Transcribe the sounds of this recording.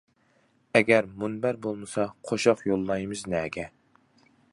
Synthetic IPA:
ɛɡʲɛɾmunbæɾbolˠmɨsɑqʰoʃɑqjolˠːɑjmɨznɛːɡʲɛ

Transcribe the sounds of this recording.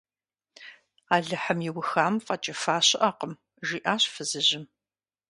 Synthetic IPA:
aːɮɨħəmjɪwʊxaːmfʼɐt͡ʃʼɐfaːɕɪʔaːqəm | ʒiːʔaːɕfɨzɨʑɪm

